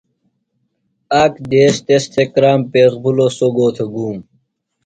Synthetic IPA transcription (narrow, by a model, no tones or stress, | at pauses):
ɐkd̪eːst̪est̪ʰekɾaːmpeːxbʱulosoɡoːt̪ʰeɡuːm